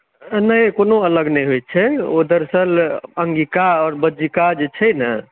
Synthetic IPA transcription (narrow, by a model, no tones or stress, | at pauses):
nəkonoələɡnəjɦojt̪̚t͡ʃʰɛod̪əɾsələŋɡikaɔːɾbəd͡ʒikad͡ʒet͡ʃʰɛnə